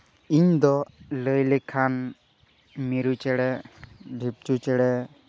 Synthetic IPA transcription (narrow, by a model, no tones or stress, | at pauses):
iɲd̪ɔləjlɛkʰan | miɾut͡ʃɛɽɛɖʱip̚t͡ʃut͡ʃɛɽɛ